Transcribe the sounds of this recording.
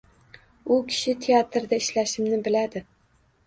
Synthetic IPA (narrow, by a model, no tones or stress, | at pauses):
ʊkʲʰɪ̥ʃɪt̪ʰeat̪ɾd̪aɪʃlaʃɪmnɪbɪlad̪ɪ